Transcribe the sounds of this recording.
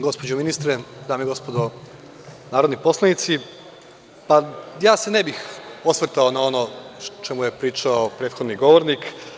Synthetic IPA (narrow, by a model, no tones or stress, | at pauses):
ɡo̞spod͡ʑuminist̪ɾed̪aːmeiɡo̞spod̪o | naːɾod̪nipo̞slˠanit̪si | pajaːsenebixosʋr̩t̪aonao̞not͡ʃemuje̞pɾiːt͡ʃaopɾeːt̪xod̪niɡo̞ʋoɾnik